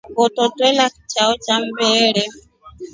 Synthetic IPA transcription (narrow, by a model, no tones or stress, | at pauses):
ɡɔtɔtʼwɛlakit͡ʃaɔt͡ʃam̩bɛːɺɛ